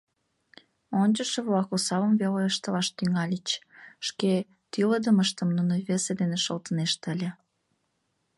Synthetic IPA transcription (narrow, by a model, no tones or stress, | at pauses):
onʲt͡ɕəʃə̆βlɑkusɑβəmveloəʃt̪ə̆lɑʃt̪yŋɑlʲit͡ɕʃke | t̪yləd̪əməʃt̪ə̆mnunoβesed̪eneʃəlt̪əneʃt̪əlʲĕ